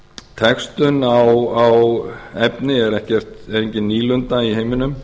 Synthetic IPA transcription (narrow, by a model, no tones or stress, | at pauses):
t̪ʰɛkst̪ʏnawawɛpnɪɛɾɛhcɛr̥t̪ɛeɲcɪniːlʏnt̪aiɦejmɪnʏm